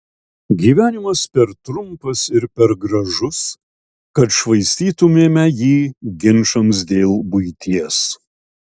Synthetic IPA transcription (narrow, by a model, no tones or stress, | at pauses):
ɡʲiːʋʲæːnʲɪmɐspʲɛɾt̪ɾʊmpɐsɪɾpʲɛɾɡɾɐʒʊs | kɐt̪ʃʋɐɪsʲt̪ʲiːt̪ʊmʲeːmʲɛjiːɡʲɪnʃɐms̬d̪ʲeːlˠbʊɪt̪ʲiɛs